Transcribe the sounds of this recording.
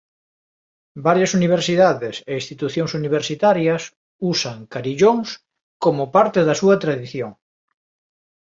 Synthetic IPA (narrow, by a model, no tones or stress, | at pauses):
baɾjɐsuniβ̞eɾsiðaðeseist̪it̪uθjoŋsuniβ̞eɾsit̪aɾjɐs | usɐŋkaɾiʎoŋs | komopaɾt̪eðɐsuɐt̪ɾaðiθjoŋ